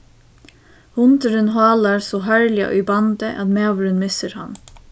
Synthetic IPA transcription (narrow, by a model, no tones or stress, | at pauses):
hʊnt̪əɾənɦɑːlɑɾsoːɦœɹlɪɑ̰ʔʏ̰bɑnd̪əʔɑd̪meːʋɾənmɪsəɾhɑ̰n